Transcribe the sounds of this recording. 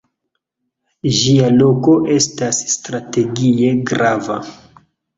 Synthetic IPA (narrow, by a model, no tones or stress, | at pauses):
ʒialo̞ko̞ʔe̞stasːtɾate̞ɡie̞ɡɾava̰